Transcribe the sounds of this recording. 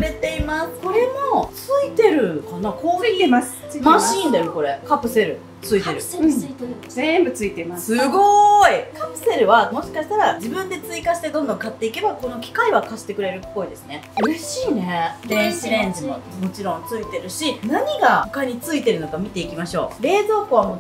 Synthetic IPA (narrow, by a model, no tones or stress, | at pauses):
ɾe̞t̪e̞imasɨ̥ko̞ɾe̞mot͡sɨit̪e̞ɾɯ̟kanakoː | maɕiːnd̪ajoko̞ɾe̞kapɯ̟se̞ɾɯ̟ | t͡sɨit̪e̞ɾɯ̟ | zembɯ̟t͡sɨit̪eimassɨɡo̞ikapɯ̟̥se̞ɾɯ̟βamo̞ɕi̥kaɕi̥t̪aɾad͡ʑibɯ̟̃nd̪e̞t͡sɨikaɕi̥t̪e̞d̪õnd̪õ̞ŋkat̪ːe̞ike̞bako̞no̞kʲi̥kaiβakaɕi̥t̪e̞kɯɾe̞ɾɯ̟pːo̞id̪e̞sɨne̞ | ɯɾeɕiːne̞d̪ẽɰ̃ɕiɾẽ̞ɲd͡ʑimo̞mo̞t͡ɕiɾõ̞nt͡sɨit̪e̞ɾɯ̟ɕinaɲ̟iɡao̥kaɲ̟it͡sɨit̪e̞ɾɯ̟nokamʲit̪e̞ikʲimaɕo̞̰ːɾe̞ːzo̞ːkoβ̞amo